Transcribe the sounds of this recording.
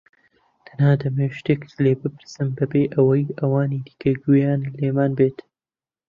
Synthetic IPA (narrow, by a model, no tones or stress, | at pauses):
t̪ʰɐ̥naːd̪ɐmeʃt̪eːkt̪leːbɨpɨɾsɨmbɐbeːʔɐwɐjɐwaːniːd̪i̥kʰɐɡujaːnleːmaːnbeːt̪